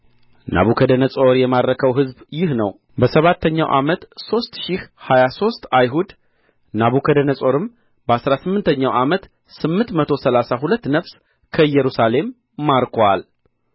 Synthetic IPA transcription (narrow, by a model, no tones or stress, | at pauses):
na̰βukʰəd̪ənəsʼo̞ɾjɛmad̪ɾəkʰəwɦɨzbjɪhnəw | bəsəβat̪ʰːəɲːawʔa̰mət̪so̞st̪ʃihhajaso̞st̪ajɦud̪ | naβukʰəd̪ənəsʼo̞ɾɨm | bəasɾasɨmːɨnt̪ʰəɲːawʔamət̪ | sɨmːɨnt̪mət̪ʰo̞səlasaɦulət̪ːnəβs | kʰəɨjɛɾusale̞mː | aɾkʰwal